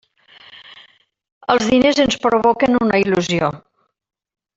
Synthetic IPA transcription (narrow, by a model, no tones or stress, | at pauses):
əlˠzðinezənspɾoβokənunəiluzio